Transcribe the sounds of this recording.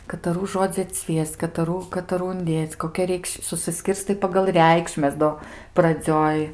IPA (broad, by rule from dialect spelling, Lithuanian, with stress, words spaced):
kɐtɐˈruː ˈʒoːd͡zʲɪ ɐtʲˈsʲʋʲiɛsʲt͡sʲ kɐtɐˈruː kɐtɐˈruː ʊnʲˈdʲeːt͡sʲ koːˈkʲɛ ˈrʲɛɪkʃ sʊsʲɪˈsʲkʲɪrstɐɪ pɐɡɐlˠ ˈrʲɛɪkʃʲmʲɛs ˈdoː prɐˈd͡zʲoːj